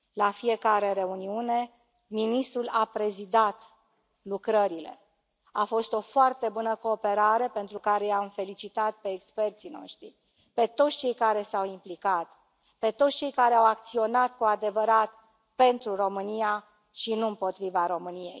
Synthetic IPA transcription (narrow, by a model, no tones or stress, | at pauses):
lafie̞kaɾe̞ɾe̞uniune̞ | minist̪ɾulapɾe̞zid̪at̪ | lukɾəɾile̞̰ | afo̞st̪o̞foart̪e̞bunəko̞ːpe̞ɾaɾe̞pe̞nt̪ɾukaɾe̞jamfe̞lit͡ʃit̪at̪̚pe̞ːkspe̞rt̪sino̞̰ʃt̪ɾḭ | pe̞t̪o̞t̪sʲt͡ʃe̞jkaɾe̞sawimplikat̪ | pe̞t̪o̞t̪sʲt͡ʃe̞jkaɾeawak̚t̪sio̞nat̪kuad̪e̞vəɾat̪ | pe̞nt̪ɾuɾo̞mɨnia | ʃinuɨmpo̞t̪ɾivaɾo̞mɨnije̞̰j